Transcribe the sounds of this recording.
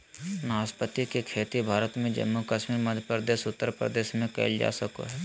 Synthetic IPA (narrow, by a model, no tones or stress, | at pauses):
naːspət̪ːikekʰeːt̪ibʱaːɾət̪mẽd͡ʒə̰mːukəʃmiːɾməd̪ʱjəpɾəd̪eːʃʊt̪ːəɾpɾə̰d̪eːʃmẽkɛ̰ɪld͡ʒa̰ːsəko̰ɦɛː